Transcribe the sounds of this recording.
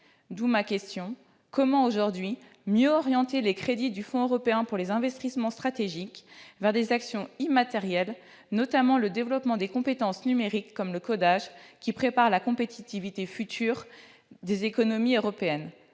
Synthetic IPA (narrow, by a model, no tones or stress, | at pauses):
d̪umakʲɛst̪jɔ̃ | kɔmɑ̃oʒuʁd̪ɥi | mjøɔʁjɑ̃t̪elekχed̪id̪yfɔ̃øʁɔpeɛ̃puʁlezɛ̃vɛst̪ismɑ̃st̪χat̪eʒikvɛʁd̪ezaksjɔ̃imat̪ɛʁjɛl | nɔt̪amɑ̃ləd̪evlɔpmɑ̃d̪ekɔ̃pet̪ɑ̃snymeʁikːɔmləkɔd̪aʒkʲipχepaʁlakɔ̃pet̪it̪ivit̪efyt̪ʰyːʁ | d̪ezekɔnɔmiøʁɔpeɛn